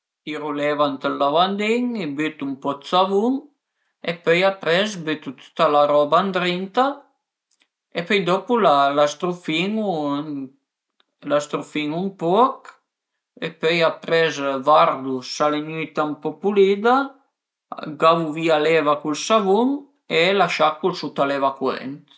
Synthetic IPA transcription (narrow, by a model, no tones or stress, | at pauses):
t̪iɾulɛvant̪əlːavand̪iŋebyt̪umpɔt̪savuŋ | epœjapɾɛsbyt̪ut̪ʰu̥t̪alaɾɔband̪ɾint̪a | epœjd̪ɔpulalast̪ɾufiŋu | last̪ɾufiŋumpɔk | epœjapɾɛzvaɾd̪usaleɲuit̪ampɔpulid̪a | ɡavuvialɛvakulsavuŋ | elaʃakːulsut̪alɛvakwɛ̰nt̪